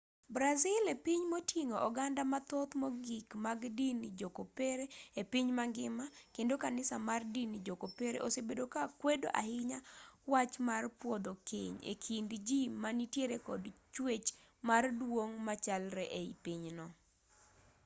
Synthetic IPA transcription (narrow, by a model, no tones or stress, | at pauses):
bɾazɪlepiɲmotʰiŋoʔɔɡandamat̪ot̪mɔɡikmaɡdind͡ʒokopeɾeepiɲmaŋɡɪmakendokanɪsamardinid͡ʒokopeɾḛʔosebedokakwedoʔa̰hɪɲawat͡ʃmarpwɔd̪okḛɲḛkʰindd͡ʒimanitjeɾekɔdt͡ʃwet͡ʃ | mardwoŋmat͡ʃalɾɛʔeipiɲnɔ